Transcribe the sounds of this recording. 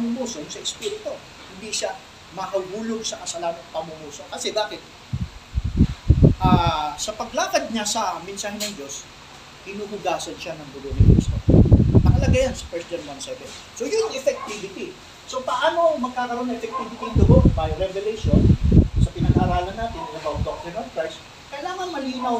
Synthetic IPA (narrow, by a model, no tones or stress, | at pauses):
pɐmʊmuːsojʊsɐʔɪspiːɾɪt̪o | hɪnd̪iʃa | mɐkɐɡuːloɡ̚sɐkɐsalanɐŋpɐmumuːso̞kɐsɛbaːkɪt̪̚ | ʔaːsɐpɐɡ̚laːkɐd̪̚ɲasɐmɪnsaːɦɛnɐŋd͡ʒo̞s | hɪnuːhʊɡaːsɐnʃanɐŋd̪ʊɡoʔnɪkɾḭst̪o̞̰p̪ɐkɐlɐɡajansɐ̥fɛɹsd͡ʒɐnwansɛvɛn | so̞jʊnɛfɛk̚t̪iːvɪt̪i | so̞pɐʔaːno̞mɐɡ̚kaːkɐɾo̞nːɐʔɛfɛk̚t̪ivɪt̪iŋd̪ʊɡobɐjɾɛvɛlɛjʃonsɐpɪnɐɡʔaːɾaːlɐnːaːt̪ɪnːɪlɐbat̪ok̚t̪ɛnɐn̚fɛs | kɐjlaːŋɐŋmɐliːnɐw